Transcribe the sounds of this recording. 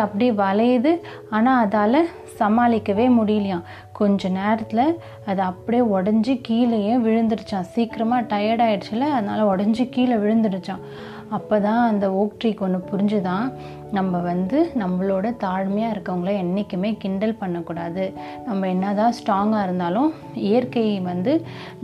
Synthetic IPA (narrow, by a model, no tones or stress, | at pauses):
ɐpːɐɽiʋɐlɐjðɯ | aːnaːɐðaːlɐ | sɐmaːlɪkːɐʋeːmʊɽɪjɪlɐjãː | kɔɲd͡ʒɔ̃neːɾɐt̪ːɪlɐ | ɐðɯɐpːɐɽijeɔɽɐɲd͡ʒɯkiːlɐjẽːʋɪɻɯnd̪ɯɽɯt͡ʃːãːsiːkɪɾɐmaːʈɐjɐɽaːjɪɽɯt͡ʃːɪlːɐɐðɐnaːlɐɔɽɐɲd͡ʒɯkiːlɐʋɪɻɯnd̪ɯɽɯt͡ʃːãː | ɐpːoːt̪ãːɐnd̪ɐoːkʈɾikːɔnːɯpʊɾɪɲd͡ʒɯt̪ãː | nɐmːɐʋɐnd̪ɯnɐmːɐɭoːɽɐt̪aːɻmɐjaːɪɾɯkːɐʋɐŋɡɐɭɐɛnːɪkʲːɯmeːkɪɳɖɐlpɐɳːɐkːuːɽaːðɯ | nɐmːɐɛnːaːðãːsʈaːŋɡaːɪɾɯnd̪aːlʊ̃ | ɪjɐɾkɐjʋɐnd̪ɯ